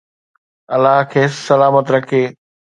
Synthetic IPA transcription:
ɐlaɦkʰeːsɐlaːmət̪ɾɐkʰeː

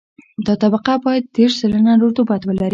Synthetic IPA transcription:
d̪ɑt̪abaqabɑjad̪̚ːeɾʃzələnaɾoɾt̪ubat̪wəlaɾi

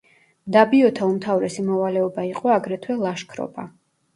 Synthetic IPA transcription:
md̪abiɔt̪ʰaumt̪ʰavɾɛsimɔvalɛɔbaiqʼɔaɡɾɛt̪ʰwɛlˠaʃkʰɾɔ̰ba

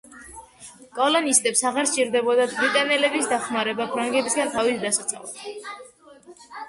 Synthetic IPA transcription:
kʼɔlɔnist̪ʼɛpsaʁaɾt͡ʃʼiɾd̪ɛbɔd̪at̪ʰbɾit̪ʼanɛlɛbisd̪aχmaɾɛbapʰɾaŋɡɛbisɡant̪ʰavisd̪asat̪sʰa̰la

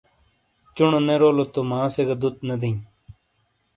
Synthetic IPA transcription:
t͡ʃʊɳoneɾoːlot̪omãːseɡɐd̪ut̪̚nɐd̪ĩː

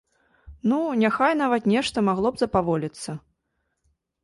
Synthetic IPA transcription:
nunʲaxajn̪avɐt̪nʲɛʂt̪ɐmaɣlˠɔbzɐpavɔlʲit̪sːɐ

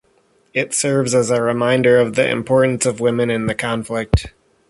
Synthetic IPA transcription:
ɪtsɜ˞vzəzəɹɨmãɪ̃ndə˞ʌvðḭʔɨ̰̃mpʰɔɹʔn̩sʌvwɪ̃mɨ̃nɨ̃nðɨkʰɑ̃ɱflɪk̚t̚

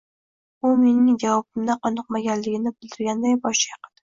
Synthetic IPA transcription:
ʊme̞nɪŋd͡ʒawɒbɪmd̪aqʰɒnɨq̚maɡʲanlɪɡʲɪnɪbɪld̪ɪɾɡʲand̪ajbɒʃjɑqɨld̪ɪ

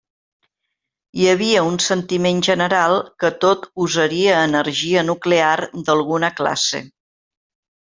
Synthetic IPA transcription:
iəβ̞iəunsənt̪imenʒənəɾalˠkət̪ot̪uzəɾiəːnəɾʒiənukleard̪əlˠɣunəkla̰sḛ

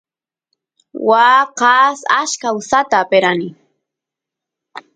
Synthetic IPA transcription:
waqɑsaʃkausat̪aːpeɾanɪ

